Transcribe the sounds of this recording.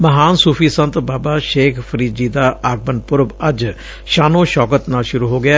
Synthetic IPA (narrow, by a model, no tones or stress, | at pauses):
məɦaːnsuːpʰiːsə̃nt̪baːbaːʃeːkʰpʰəɾiːd͡ʒiːd̪aːʔaːɡ̚bənpʊɾbəɐd͡ʒ | ʃaːnõːʃɔːkət̪naːlʃʊɾuːɦoːɡɪaː